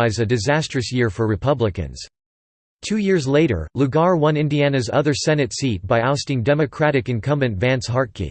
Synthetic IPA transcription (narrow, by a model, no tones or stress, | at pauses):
ɪzɨdɨzæstɹ̥ɨsjɪɹfə˞ɹɨpʰʌbləkɨ̰̃nz̥ | tʰʉjɪɹzleɪɾə̰˞luɡɑɹwʌ̃nɪ̃ndiænɨzʌ̰ðə˞sɛnɨtsit̚b̥aɪaʊstɪ̃ŋdɛmɨkʰɹ̥æɾɨkɨ̃nkʰʌ̃mbɨ̃ntvæ̃nshɦɑɹ̚kʰḭ